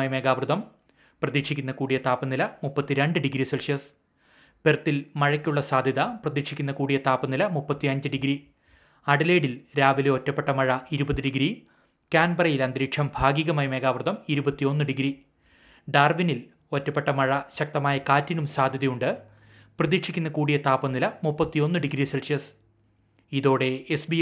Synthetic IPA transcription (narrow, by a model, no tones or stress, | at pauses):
jme̞ːɡaːʋruðɐm | prɐðiʂikʲːunːɐkuːɽijɐt̪aːpːɐnːilɐmupːɐt̪ːiɾeɳɖɨɖiɡɾiselʂjɐs | pert̪ːilmɐɻɐkʲːuɭːɐsaːd̪ʱjɐðɐprɐðiʂikʲːunːɐkuːɽijɐt̪aːpːɐnːilɐmupːɐt̪ːiɐɲd͡ʑɨɖiɡɾi | ɐɽɐleːɽilɾaːʋileo̞tːɐpːeʈːɐmɐɻɐiɾubɐðiɖiɡɾi | kaːnbɐrɐjilɐnd̪ɾiːkʂɐmbʱaːɡiɣɐmaːjme̞ːɡaːʋɐrðɐmiɾubɐt̪ːio̞nːɨɖiɡɾi | ɖaːrʋinil | o̞tːɐpːeʈːɐmɐɻɐɕɐk̚t̪ɐmaːjɐkaːtːinumsaːd̪ʱjɐðɐjuɳɖɨ | prɐðikʂʰi̥kʲːunːɐkuːɽijɐt̪aːpːɐmnilɐmupːɐt̪ːijo̞nːɨɖiɡɾiselsjɐs | iðo̞ːɽe̞esbi